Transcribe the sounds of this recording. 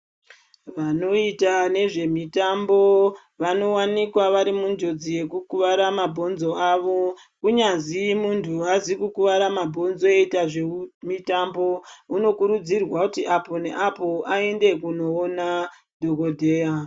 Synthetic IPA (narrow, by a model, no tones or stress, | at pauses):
ʋano̞itane̞ʐe̞mitambo̞ | ʋano̞wanikwaʋaɾimund͡ʒo̞d͡zije̞kukuʋaɾamabʱo̞nzo̞aʋo̞ | kuɲazimuntʰuazikukuʋaɾamabʱo̞nzo̞eitaʐemitambo̞uno̞kuɾud͡zirwakutiʔapo̞ne̞ʔapo̞ʔae̞nde̞kuno̞ːna | dʱoko̞dʱe̞ːa